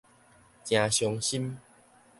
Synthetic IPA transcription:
t͡ɕj̃ã˨˧ɕjɔ˧ŋɕi˦m

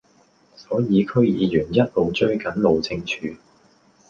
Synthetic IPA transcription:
sɔː˨˥jiː˨˧kʰɵ˥ɥjiː˨˧jyː˨˩njɐ˥t̚lo˨wt͡ʃɵ˥ɥkɐ˨˥nlo˨wt͡sʰɪ˧ŋt͡ʃʰyː˨˧

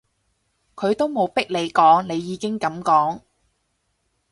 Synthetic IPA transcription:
kʰɵ˨˧ɥt̪o˥wmo˨˧wpɪ˥k̚le˨˧jkɔː˨˥ŋne˨˧jːiː˨˧kɪ˥ŋkɐ˨˧˥mkɔː˨˥ŋ

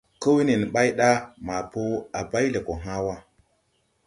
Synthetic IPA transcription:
kə˦wi˦ni˨n˨ɓa˦jɗa˦ma˨po˦a˨ba˦jle˨ko˨ɦa˦wa˦

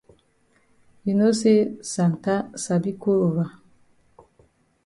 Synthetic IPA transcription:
ji˨no˦se˦sa˨n˨ta˦sa˨bi˦ko˦ɾo˨ɾa˨

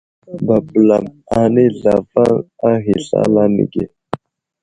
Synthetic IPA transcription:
ba˨bla˨ma˨ni˦ɮa˨va˦a˦ɦi˨ɬa̰˦la˦nḭ˨ɡe˨

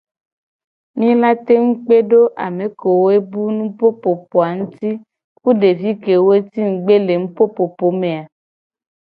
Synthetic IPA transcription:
nĩ˦la˦t̪e˦ŋu˦k͡pe˦ɖo˦ʔa̰˨me˨ko˨wo˦e˦bu˦nũ˦po˦po˨po˨a˨ŋũ˦t̪i˦ | ku˦ɖe˨vi˦ke˨wo˦e˦t̪i˦ŋ̩˨ɡ͡be˦le˨ŋũ˦po˦po˨po˨me˨a˨

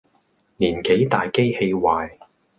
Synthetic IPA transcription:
niː˨˩nke˨˥jt̪aː˨jke˥jhe˧jwaː˨j

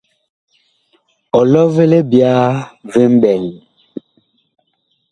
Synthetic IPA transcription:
ɔ˨lɔ˦ve˦le˦bja˦ve˦m˦bɛ˨l

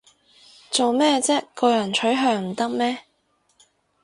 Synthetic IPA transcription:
t͡so˨wmɛː˥t͡sɛː˥kɔː˧jɐ˨˩nt͡ʃʰɵ˨˥ɥɦœː˧ŋm̩˨˩t̪ɐ˥k̚mɛː˥

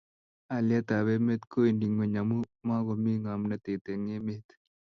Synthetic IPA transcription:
a˨lja˦t̪a˨βe˦me˦t̪ko˦indi˨ŋo˨ɲɐ˨mu˦ma˦ɡo˨mi˦ŋa˨mnɐ˦t̪e˨t̪e˨ŋe˦met̪

